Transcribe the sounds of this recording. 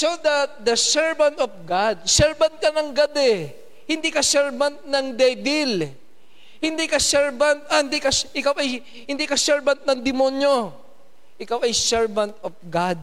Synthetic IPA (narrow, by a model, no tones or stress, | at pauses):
sod̪ɐt̪̚d̪ɐsɛɹvɐnt̪ɔfɡad̪̚sɛɹbɐnt̪̚kɐnɐŋɡɐd̪ɛ | hɪnd̪ikɐsɛɹbɐnt̪̚nɐŋd̪ɛjbɪl | hɪnd̪ikɐsɛɹbɐnt̪̚ʔɐhɪnd̪ikɐʔɪkawɐj | hɪ̃nd̪ikɐsɛɹbɐnt̪̚nɐŋd̪ɪmonjo | ʔɪkawʔɐjsɛɹvɐ̃nt̪ɔfɡad̪̚